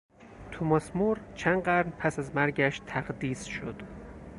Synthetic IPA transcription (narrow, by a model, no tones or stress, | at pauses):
t̪ʰomɒsmuɾt͡ʃʰænɢæɾnpʰæsæzmæɾɟæʃt̪ʰæɢd̪iːsʃod̪̥